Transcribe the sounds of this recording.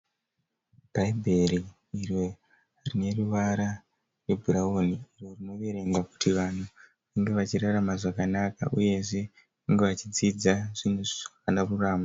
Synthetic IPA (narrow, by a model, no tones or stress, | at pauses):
b̥ʱaibʱe̞riː | ro̞ | rine̞ruʋaɾa | re̞bʱuɾaoniiːro̞rino̞ʋe̞ɾe̞ŋɡwaku̥tʰiʋan̤u | ʋaŋɡe̞ʋat͡ʃiɾaramaʐakanaka̰ʔuje̞ʐe̞ | ʋaŋɡe̞ʋat͡ʃid͡zid͡zaʐ̥inuʐioanaruraːma